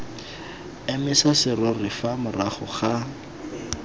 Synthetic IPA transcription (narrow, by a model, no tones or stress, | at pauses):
emɪsasɪrɔrɪfamʊraχɔ̰χa